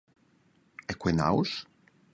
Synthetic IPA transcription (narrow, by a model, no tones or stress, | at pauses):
ɛkwena̰ws